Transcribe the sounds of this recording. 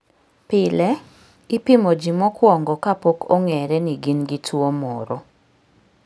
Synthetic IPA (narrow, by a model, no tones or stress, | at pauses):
pɪlɛ | ɪpimɔd͡ʒimɔkwɔŋɡɔkapokʰɔŋɛɾɛniɡinɡɪtʰwomɔɾɔ